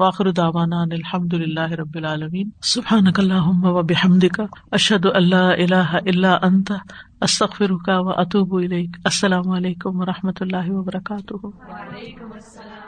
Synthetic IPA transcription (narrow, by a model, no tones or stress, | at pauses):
aːxɪɾʊd̪aːʋaːnaːnɪlħɐmd̪ʊlɪlːaːɦɪɾˤɐbːɪlʕaːlɐmiːnsʊbħaːnɐkɐlːaːɦʊmːɐʋɐbɪħɐmd̪ɪkaʔɐʃhɐd̪ʊʔɐnlːaːʔɪlaːɦaʔɪlːaːʔɐnt̪aɐst̪ɐɣfɪɾʊkaʋɐʔɐt̪uːbʊɪleːkɐsːɐlaːmʊɐleːkʊmʋɐɾˤɑħmɐt̪ʊlːaːɦɪʋɐbɐɾˤɐkaːt̪ʊhʊ